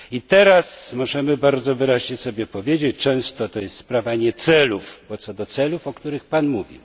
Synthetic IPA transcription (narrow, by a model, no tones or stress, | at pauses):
it̪ɛɾasmɔʐɛmɘbaɾd̪zɔvɘɾaʑɲɛsɔbʲjɛpɔvʲjed͡ʑet͡ɕt͡ʂɛ̃w̃st̪ɔt̪ɔjɛst̪spɾavaɲɛt̪sɛlufbɔt̪sɔd̪ɔt̪sɛlufɔkt̪uɾɘxpanmuvʲḭw